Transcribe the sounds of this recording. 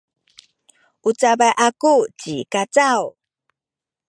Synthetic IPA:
ʔut͡sabajʔakut͡ɕikat͡saw

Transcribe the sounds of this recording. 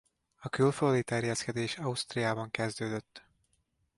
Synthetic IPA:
ɒkylføːd̪it̪ɛrjɛskɛd̪eːʃɒust̪rijaːbɒŋkɛzd̪øːd̪øt̪ː

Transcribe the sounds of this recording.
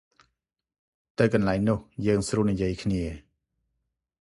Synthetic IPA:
t̪ɨwkɑnlaɛŋnʊəhjəːŋsruːənijiəjkʰniə

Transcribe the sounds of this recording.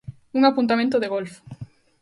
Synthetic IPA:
uŋapunt̪amẽnt̪oðeɣolfo̥

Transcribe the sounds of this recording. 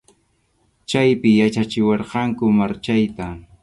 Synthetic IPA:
t͡ʃajpɪjat͡ʃat͡ʃɪwɑɾqɑŋkʊmaɾt͡ʃajt̪a

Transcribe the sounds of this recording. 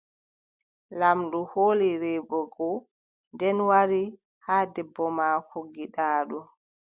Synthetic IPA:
lamɗuhoːliɾɛbɔɡɔ | ndɛnwaɾi | haːdɛbːɔmaːhoɡiɗaːɗu

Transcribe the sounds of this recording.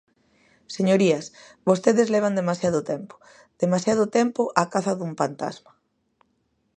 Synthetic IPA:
seɲoɾiɐs | bost̪eðezleβ̞and̪emasjaðʊt̪ɛmpʊ̥ | d̪̥emasjaðʊt̪empʊʔakaθɐðumfant̪a̰zmɐ

